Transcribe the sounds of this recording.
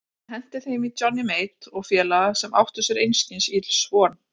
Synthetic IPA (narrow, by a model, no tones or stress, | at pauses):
hɛn̥t̪ɪθejmɪt͡ɕɔnːɪmeːjt̪ɔɣfjɛːlaɣasɛma̰wht̪ʏsjɛɾejnst̪insit̪l̥svɔːn